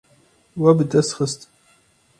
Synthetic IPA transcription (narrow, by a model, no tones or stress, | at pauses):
wæbəd̪æsχəst̪ʼ